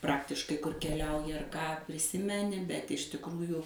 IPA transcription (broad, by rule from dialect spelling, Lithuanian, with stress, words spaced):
ˈprɑːktʲɪʃkɐɪ kʊr kʲɛˈlʲɛʊjɪ ɐr ˈkɑː pʲrʲɪˈsʲɪmʲɛnʲɪ bʲɛt ɪʃ tʲɪkˈruːjʊ